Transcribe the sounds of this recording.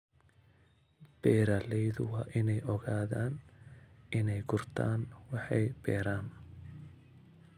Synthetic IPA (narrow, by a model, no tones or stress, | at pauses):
b̥ɛːɾaːlɛjðʊwɑːʔɪnɛjʔɔɣaːðaːn | ʔɪnɛjɡʊrt̪ʰa̰ːnwɑħɑjbɛ̰ːɾaːn